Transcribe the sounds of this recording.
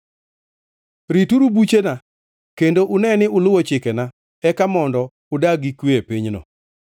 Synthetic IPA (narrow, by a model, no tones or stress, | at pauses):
ɾituɾubut͡ʃena | kendoʔʊnɛnɪʊlʊwɔt͡ʃɪkɛna | ɛkamɔndɔ | ʊdaɡikweepiɲno̰